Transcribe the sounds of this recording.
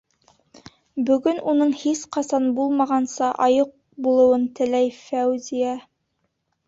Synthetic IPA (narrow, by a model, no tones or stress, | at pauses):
bɵ̆ɡɵnunɤɴhisqɑsɑnbulˠmɑʁɑnsɑʔɑjɤq̚ | bulˠɤ̆wɤnt̪ɘ̆læjfæwzijɑ